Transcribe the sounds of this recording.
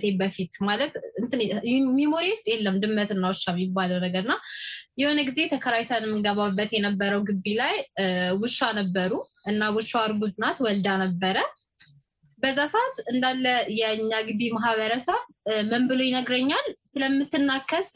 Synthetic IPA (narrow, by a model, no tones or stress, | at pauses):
t̪ʰebəfit̪malət̪ɨnt̪ɨnmimo̞ɾiwʊst̪ʼjelːəmd̪ɨmːət̪ɨnːawɨʃamjibːaləwnəɡəɾɨnːajɛho̞neɡize̞t̪ʰəkʰəɾajt̪ʰanɛmːɨɡəβabːət̪jɛnəbːəɾəwɡɨbːilajwɨʃːanəbːəɾuʔɨnːawɨʃːaaɾɡuzɨnat̪wɔld̪anəbːəɾə | bəzːasaʔat̪ɨnd̪alːəjɛɨɲːaɡɨβimaɦβəɾəsəβməmbɨlojɪnəɡɾəɲːalsɨləmːɨt̪ːɨnːakʰːəs